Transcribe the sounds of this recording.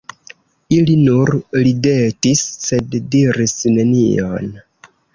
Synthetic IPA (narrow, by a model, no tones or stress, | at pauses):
ilinuɾlide̞tisːe̞ddiɾisne̞nio̞̰n